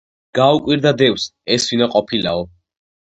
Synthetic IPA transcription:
ɡ̥aukʼwiɾd̪ad̪ɛwsɛsvinaqʼɔpʰilaɔ

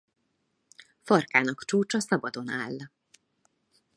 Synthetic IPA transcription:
fɒrkaːnɒkt͡ʃuːt͡ʃɒsɒbɒd̪o̞naːlː

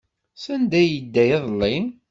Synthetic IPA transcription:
sænd̪æjəd̪ːæjɑðˤlːin

